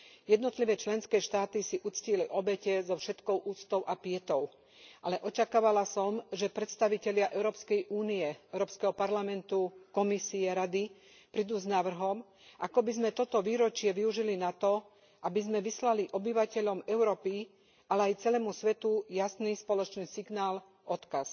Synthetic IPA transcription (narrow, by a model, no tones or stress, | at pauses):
jɛd̪nɔt̪liʋɛːt͡ʃlɛnskɛːʃt̪aːt̪isiʔut͡sciliʔɔbɛcɛzɔfʃɛt̪kɔʊʔuːt͡st̪ɔʊʔapɪɛt̪ɔʊ | ʔalɛʔɔt͡ʃakaːʋalasɔmʒɛpɾɛt̪st̪aʋicɛʎɪaʔɛʊɾɔːpskɛjʔuːniɛɛʊɾɔːpskɛɦɔpaɾlamɛnt̪ukɔmisiɛɾad̪i | pɾid̪uːznaʋr̩ɦɔm | ʔakɔbizmɛt̪ɔt̪ɔʋiːɾɔt͡ʃɪɛʋiuʒilinat̪ɔ | ʔabizmɛʋislaliʔɔbiʋacɛʎɔmɛʊɾɔːpi | ʔalɛajt͡sɛlɛːmusʋɛt̪ujasniːspɔlɔt͡ʃniːsiɡnaːl | ʔɔt̪kas